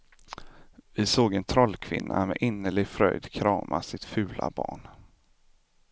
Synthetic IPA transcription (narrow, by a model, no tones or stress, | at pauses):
vɪsoːɡɛnt̪ʰɾɔlːkʰvɪ̰nːamɛʔɪnːəɭɪɡfɾœjd̪kʰɾɑːmʔasɪt̪fʉ̟ːla̰bɑːɳ